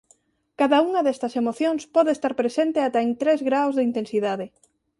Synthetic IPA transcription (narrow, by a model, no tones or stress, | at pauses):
kaðauŋaðest̪asemoθjoŋspɔðeest̪aɾpɾesent̪eat̪aent̪ɾezɣɾawzðeint̪ensiðaðe